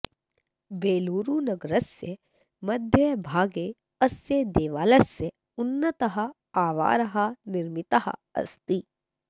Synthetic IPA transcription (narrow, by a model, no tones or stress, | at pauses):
beːluːɾuːnɐɡɾɐsːe | mɐd̪ʱjəbʱaːɡe | ɐsjed̪eːʋaːlɐsːe | ʊnːɐt̪ɐɦɐ̆ | aːʋa̰ːɾɐɦɐnɪɾmɪt̪ɐɦɐ̰ɐ̰st̪i